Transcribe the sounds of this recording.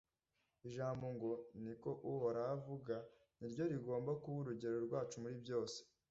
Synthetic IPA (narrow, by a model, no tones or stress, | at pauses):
iʒaːmbo̞ŋɡo̞niko̞ʔuhoɾaːvuɡa | niɾɟo̞ɾiɡo̞ːmbakuβuɾuɟe̞ɾo̞ɾɡwaːt͡ʃumuɾibjo̞ːse̥